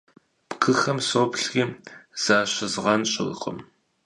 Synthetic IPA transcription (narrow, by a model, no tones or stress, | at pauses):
b̥ɡɨxɐmsoːpɬxiːz̥aːɕɐzʁɐnɕʼɪɣ̰qʼʊ̰m